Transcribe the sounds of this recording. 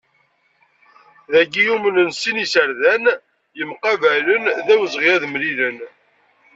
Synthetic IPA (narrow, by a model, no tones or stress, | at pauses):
ðæɡijumənənsinisəɾðæn | jəmqɑvælənðæwəzʁijæðmɾilən